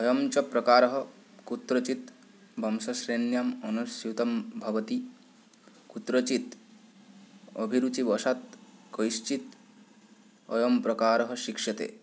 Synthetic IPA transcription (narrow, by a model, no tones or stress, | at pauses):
ɔjɔmt͡ʃɐpɾɐkaːɾɔɦɐ | kut̪ɾɐt͡ʃit̪ | bʱɐmsɐʃɾenjɐmɔnusjut̪ɐmbʱɐʋɐt̪i | kut̪ɾɐt͡ʃit̪ | ɔ̰bʱiɾut͡ʃiʋɔʃat̪̚kɔjst͡ʃit̪ | ɔ̰jɐmpɾɐkaːɾɐɦɐʃikʂɐt̪ḛː